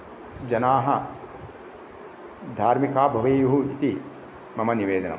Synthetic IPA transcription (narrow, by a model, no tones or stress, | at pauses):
d͡ʒɐnaːɦɐ | d̪ʱaːɾmikaːbʱɐʋɐːjuɦuit̪i | mɐmɐniʋeːd̪ɐnɐ̰